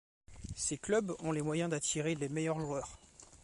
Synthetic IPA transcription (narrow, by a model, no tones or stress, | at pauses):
seklœbɔ̃lemwajɛ̃d̪at̪ʰiʁelemejœʁʒuœːʁ